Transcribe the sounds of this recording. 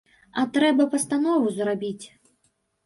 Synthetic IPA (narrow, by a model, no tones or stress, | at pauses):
ɐt̪ɾɛbɐpɐst̪anɔvuzrabʲit͡sʲ